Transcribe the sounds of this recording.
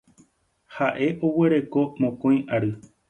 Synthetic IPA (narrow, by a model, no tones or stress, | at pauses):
haʔe̞ʔowe̞ɾe̞ko̞mõkõj̃ʔaɾɨ